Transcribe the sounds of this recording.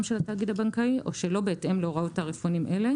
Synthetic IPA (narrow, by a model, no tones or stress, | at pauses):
mʃelat̪aːɡid̪abaŋkaiʔʔo̞ʃelo̞beːtʔemlooʁaotaʁefonimʔele̞